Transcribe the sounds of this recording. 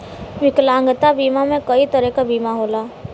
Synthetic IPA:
ʋɪklãːŋɡət̪abiːmamẽkɐit̪əɾɛkabiːmaɦoːlaː

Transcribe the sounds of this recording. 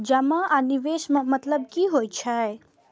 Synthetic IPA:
d͡ʒɐmaʔaniʋeːʃmãmɐt̪ləbkiɦoːjt͡ʃʰae

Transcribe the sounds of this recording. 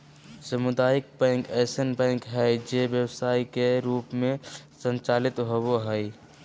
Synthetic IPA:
səmʊd̪aːjək̚bɛ̃ːŋkɛːsənbɛ̃ːŋkɦɛd͡ʒeʋjəwsaːikeɾuːpmẽsə̃nt͡ʃaːlɪt̪ɦoboɦɛi

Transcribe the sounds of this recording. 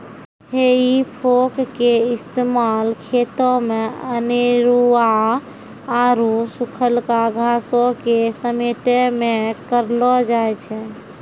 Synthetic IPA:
heipʰokkeist̪emalkʰet̪ɔmeəneɾuaː | ɾusukʰəlkaɡʱasokesəmeʈemekəɾlɔd͡ʒajt͡ʃʰɛ

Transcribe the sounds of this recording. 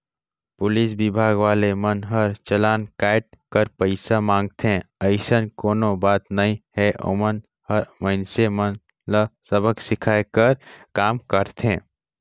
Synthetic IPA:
pʊlisbibʱaɡʋaːlemənɦəɾt͡ʃəlaːnkaɪʈ̚kəɾpəɪsamãŋɡt̪ʰẽəɪsənkoːnobaːt̪nəĩɦɛʔo̰ːmən | həɾməɪnsemən | ləsəbʱəksɪkʰaekəɾkaːmkəɾt̪ʰẽː

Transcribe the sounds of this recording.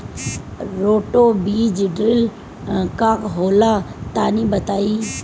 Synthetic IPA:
ɾoːʈoːbiːd͡ʒɖɾɪl | kaːkɦoːlat̪aːnĩːbɐt̪aːiː

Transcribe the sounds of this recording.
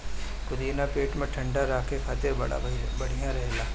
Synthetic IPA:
kʊd̪iːnapeːʈmẽʈʰɐ̃ɳɖaɾaːkʰekʰaːt̪ɪɾbɐɽa̰bɐɽ̤ijãɾɐɦelaː

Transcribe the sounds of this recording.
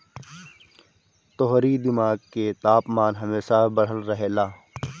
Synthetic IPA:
t̪oɦɾid̪ɪmaːɡ̚ket̪aːpmaːnɦɐmeːsabəɽ̤əlɾɐɦeːlaː

